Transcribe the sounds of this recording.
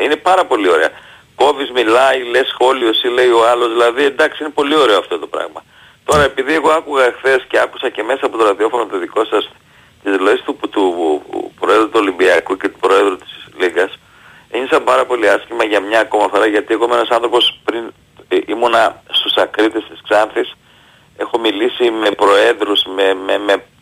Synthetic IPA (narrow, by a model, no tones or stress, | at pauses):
ine̞pɐɾɐpo̞lio̞ɾe̞̰ɐ | ko̞vizmilɐile̞sxo̞lio̞sile̞io̞ɐlozðilɐðiend̪ɐksiine̞po̞lio̞ɾe̞oɐft̪o̞t̪o̞pɾɐ̰ɣmɐ | t̪o̞ɾɐe̞piðie̞ɣo̞ɐkuɣɐxθe̞sce̞ɐku̥sɐce̞me̞sɐːpo̞t̪oɾɐðio̞fonot̪oðiko̞sɐs | t̪izloist̪ut̪upɾoe̞ðɾut̪uo̞limbiɐkuce̞t̪upɾo̞eðɾut̪i̥sliɡɐs | eɲisɐpɐɾɐpo̞liɐscimɐʝɐmɲɐko̞mɐθo̞ɾɐʝɐt̪ie̞ɣo̞imeenɐsɐ̃nθɾo̞po̞spɾin | imonɐst̪usɐkɾit̪est̪i̥sksɐnθis | e̞xo̞milisime̞pɾo̞e̞nðɾusmememe